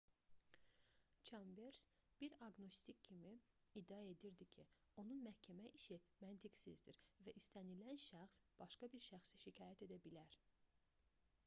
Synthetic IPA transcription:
t͡ʃʰɑmveɾsb̥iɾɑɡno̞st̪ikcʰimi | id̪ːiæe̞d̪iɾd̪icʰio̞nunmæhcʰæmæʔiʃimænt̪ʰiksizd̪iɾvæʔist̪ænilænʃæxsb̥ɑʃkɑbiɾʃæxsiʃicʰɑːjæt̪ʰe̞d̪æbilæɾ

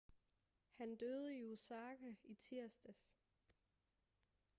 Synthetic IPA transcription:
hænd̥øð̞ˠəiusɑ̈ːkʰæit͡sʰiɐ̰sd̥æs

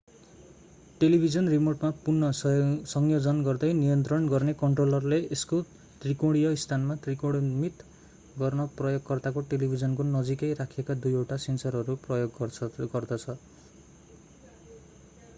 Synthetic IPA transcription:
ʈelibʱid͡zʌnrimorʈmapurnːʌsʌŋjod͡zʌnɡʌrd̪ʌjnijʌnt̪rʌnɡʌrnekʌɳʈrolʌrleʔesko | t̪rikoɽijʌist̪ʰanmat̪rikoɽmit̪ | ɡʌrnʌprʌjoɡ̚kʌrt̪akoʈelibʱid͡zʌnkonʌd͡zikʌjrakʰekad̪ujewʈasensʌɾʌɾuprʌjoɡɡʌrd̪ʌt͡sʰʌ

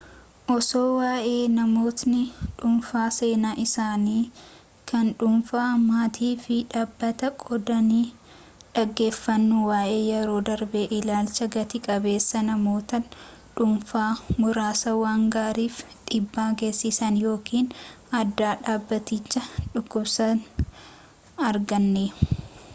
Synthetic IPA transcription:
ʔɔso̞ːwaːʔe̞ːnɐmo̞ːt̪nɪᶑʊmfaːse̞ːnaːʔɪsaːniː | kʰɐnᶑʊmfaːmaːt̪ʰiːfɪᶑaːbːɐt̪ɐkʼɔd̪ɐniː | ᶑɐɡːe̞ːfːɐnːʊwaːʔe̞ːjɛɾo̞ːd̪ɐɾbeːʔɪlaːlt͡ʃɐɡɐt̪ɪkʼɐbe̞ːsːɐnɐmo̞ːt̪ɐ | ᶑʊmfaːmʊɾaːsɐwaːŋɡaːɾiːf | ᶑʼɪbːaːɡe̞ːsːɪsɐnjo̞ːkiːn | ɐd̪ːaːᶑaːbːɐt̪ɪt͡ʃːɐᶑʊkːʊbsɐn | ɐɾɡɐnːeːʊ

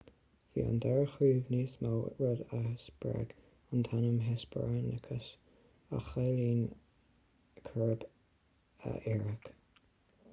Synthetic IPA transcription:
vḭːə̰nd̪ɛɹəxɹiːvniːsmaw̰ɹɛd̪əsbɹɛ̰ɡ | ənt̪ʰanəmɦɛsbanəkʰəs | a̰xeːliːn | kʰəɹb | ə̰ʔɛɹək

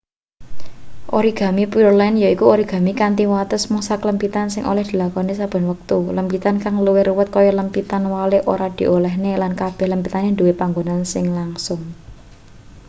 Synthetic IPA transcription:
ʔoɾiɡ̥ä̤mipirlɛnjoikuoɾiɡ̥a̤mikant̪iwat̪əsmuŋsakələmpit̪ansɪŋʔo̰lɛhd̪̥i̤lakɔnesab̥ə̤nwək̚t̪uləmpit̪ankaŋluwɪruwət̪̚kɔjɔləmpit̪anwaleʔo̰ɾad̪̥i̤ʔolɛhnelankab̥ɛ̤hləmpit̪anend̪uwepaŋɡonansɪŋlaŋsʊŋ

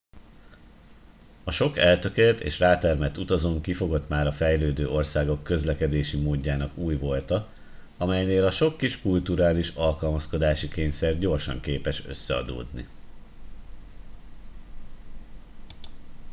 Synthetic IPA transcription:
ɒʃo̞kɛlt̪ø̞kelt̪ḛːʃraːt̪ɛrmɛt̪ut̪ɒzoːŋkifo̞ɡo̞t̪maːɾɒfɛjløːd̪øːʔo̞rsaːɡo̞kːø̞zlɛkɛd̪eːʃimoːɟːaːnɒkuːjʋo̞lt̪ɒ | ɒmɛjneːlɒʃo̞kːiʃkult̪uɾaːliʃɒlkɒlmɒsko̞d̪aːʃikeːɲsɛrɟo̞rʃɒ̰ŋkeːpɛʃø̞̰sːɛɒ̰d̪o̰ːd̪nḭ

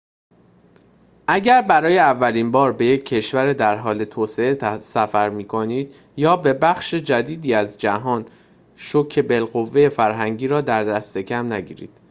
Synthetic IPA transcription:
ʔæɟæɾbæɾɒːjeævːæliːnbɒːɾbe̞je̞cʰːe̞ʃvæɾed̪æɾɦɒːle̞t̪ʰoːse̞esæfæɾmiːkʰo̞niːd̪̥ | jɒːbe̞bæxʃed͡ʒæd̪iːd̪iːæzd͡ʒæɦɒːn | ʃocʰe̞be̞lɣo̞vːe̞je̞fæɾɦæŋɟiːɾɒːd̪æɾd̪æst̪e̞cʰæmnæɟḭːɾḭːd̪̥

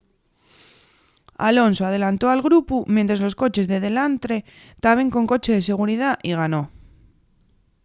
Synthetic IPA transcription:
a̰lo̞nsoað̞e̞lant̪oalɣɾupumjẽnt̪ɾazlo̞sko̞t͡ʃe̞zðe̞ðe̞lant̪ɾe̞ | t̪aβe̞ŋko̞ŋko̞t͡ʃe̞ðe̞se̞ɣ̞uɾiðaʔiɣ̞ano̞

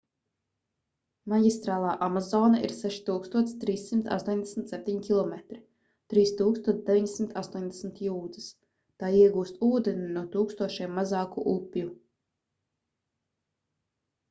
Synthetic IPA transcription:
maɡʲist̪ɾaːlˠaːʔamazɔːnaʔḭɾsɛʃi̥t̪uːkst̪uɔt̪st̪ɾiːsːimt̪a̰st̪uɔɲd̪esmt̪ʲsɛp̚ʲt̪ʲiɲkʲilˠɔmet̪ɾi | t̪ɾiːst̪uːkst̪uɔt̪d̪evʲiɲsimt̪ast̪uɔɲd̪esmt̪juːd̪ɨs | t̪aːiɛɡuːst̪uːd̪eninuɔt̪uːkst̪uɔʃiɛmːazɑːkṵʔupʲju

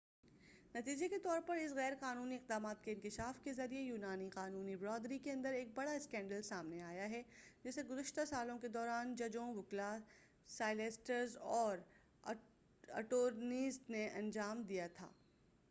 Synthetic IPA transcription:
nɐt̪iːd͡ʒeket̪ɔːɾpɐɾɪs̬ɣɛːɾqaːnuːniɪq̚d̪aːmaːt̪̚keɪ̃nkɪʃaːfkezɐɾiejuːnaːniqaːnuːnibɾɔːd̪ɾikeɐ̃nd̪əɾeːk̚bɐɽaɪskɛ̃ːɳɖəlsaːmneaːjaɦɛd͡ʒɪseɡʊzəʃt̪asaːlõked̪ɔːɾaːnd͡ʒɐd͡ʒõʋʊkla | saːɪleːsʈəɾzɔːɾ | ɐ̰ʈoːɾniːsneʔɐ̃nd͡ʒaːmd̪ijat̪ʰa̰ː

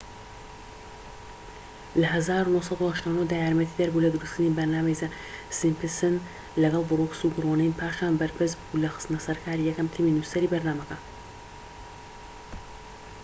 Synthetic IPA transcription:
lɐɦɐzaːɾunohsɑd̪uhaʃt̪aːwnoːhd̪aːjaːɾmɛt̪ʰiːd̪ɐɾbulɐd̪ɨɾusk̪ɨnibɐɾnaːmejza | simpɨsɨn | lɐɡɐlˠbʊroksuɡɨroːnenpʰaːʃaːnbɐɾpɨs̬bulɐxɨ̥st̪ɨnɐsɐɾkʰaːɾijɛkɐmt̪ʰiːminusɐɾiːbɐɾnaːmɐkɐ

